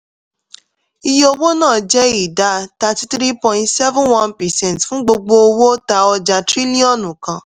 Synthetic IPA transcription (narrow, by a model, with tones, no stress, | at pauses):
i˧jo˧wo˦nãː˦˨d͡ʒɛ˦i˨da˨˦ta˧ti˦tɾi˦pɔ̃˧˨ĩ˧tsɛ˦vũ˦nwã˦npɛ˨sɛ̃˦˨ntfũ˦ɡ͡bo˧ɡ͡bo˧o˧wo˦ta˧˦ɔ˧d͡ʒa˧tɾi˦li˦ɔ̃˦˨nũ˨kã˧